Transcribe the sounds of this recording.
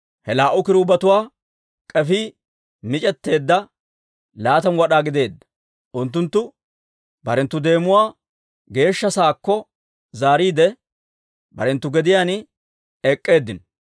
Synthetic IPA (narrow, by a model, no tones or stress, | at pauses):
hɛlaːʔʊkɪɾʊbɐt̪ʊwaː | kʼɛfi | mɪt͡ʃʼɛt̪ːe̞ːd̪ːɐ | laːt̪ɐnwɐɗaːɡɪd̪e̞ːd̪ːɐ̥ | ʔʊnt̪ːʊnt̪ːʊ | bɐɾɛnt̪ːʊd̪e̞ːmʊwaː | ɡe̞ːʃːɐsaːkːɔ | zaːɾiːd̪ɛ | bɐ̰ɾɛnt̪ːʊɡɛd̪ɪjaːn | ɛkʼːe̞ːd̪ːɪn